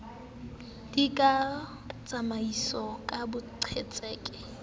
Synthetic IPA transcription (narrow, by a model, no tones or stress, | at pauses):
d̥ikʼa | t͡sʼamaisɔkʼabʊǀʰet͡sʼɛːkʼɛ̥